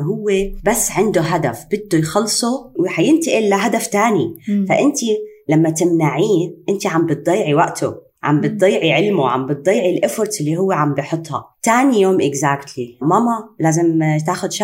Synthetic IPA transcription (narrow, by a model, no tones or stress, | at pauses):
ɦʊwːebasːʕɪnd̪oɦad̪afb̥ɪd̪ːojxɑlːsˤowħajɪnt̪iʔɪlːaɦad̪aft̪aːnifaʔɪnt̪ilamːat̪ɪmnaʕiːnʔɪnt̪iʕambɨt̪̚d̪ˤɑjːʕiwaʔt̪ʰo̰ | ʕa̰mbɨt̪̚d̪ˤɑjːʕiʕɪlmoʕa̰mbɪt̪̚d̪ˤɑjːʕilʔʊfʊɾt̪ʔɪlːiɦʊwːeʕambijħʊt̪ˤːhɑ̰t̪aːnijoːmʔɪɡzaːkt̪ʰlimɑmɑlaːzɪmt̪aːxʊd̪ʃa